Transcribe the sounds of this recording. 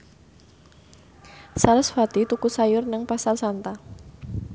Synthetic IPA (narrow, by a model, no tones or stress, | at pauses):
saləsfad̪̥it̪ukusajʊrnəŋpasalsant̪a